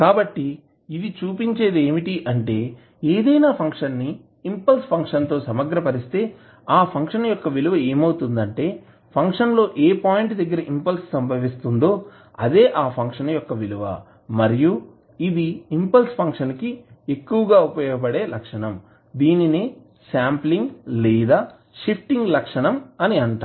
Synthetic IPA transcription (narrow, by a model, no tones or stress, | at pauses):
kaːbɐʈːi | id̪it͡ʃuːpiɲt͡ʃe̞ːd̪eːmiʈiʔɐɳʈe̞ː | eːd̪ɐjnaːpʰɐŋkʂɐnːiː | mpɐlspʰɐŋkʂɐnt̪o̞ːsɐmɐɡɾɐpɐɾist̪e̞ː | aːpʰɐŋkʂɐnɐjɔkːɐʋiluʋɐe̞ːmɐwt̪und̪ɐɳʈe̞ː | pʰɐŋkʂɐnlo̞ːʔeːpaːjiɳʈd̪ɐɡːɐɾɐʔimpɐlssɐmbʱɐʋist̪und̪o̞ː | ɐd̪e̞ːʔaːpʰɐŋkʂɐnɐjɔkːɐʋiluʋɐ̰ | mɐɾiju | id̪iimpɐlspʰɐŋkʂɐnkie̞kːuʋɐɡaːupɐjɔːɡɐp̬ɐɽe̞ːlɐkʂɐɳɐm | d̪iːnini | saːmpliŋɡliːd̪aː | ʃipʰʈiŋɡlɐkʂɐɳɐmɐniɐɳʈaː